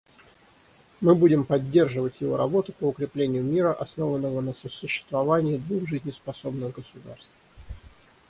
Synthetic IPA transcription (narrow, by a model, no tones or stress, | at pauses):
mɨbudʲɪmpɐdʲːe̞rʐɨvətʲjɪvo̞̰ɾɐbo̞t̪ʊpəʊkɾʲɪplʲenʲɪjʊmʲiɾəʔɐsno̞vənːəvənəsəsʊɕːɪ̥st̪vɐvanʲɪːd̪vuxʐɨzʲnʲɪspɐso̞bnəɣɡəsʊd̪a̰rst̪f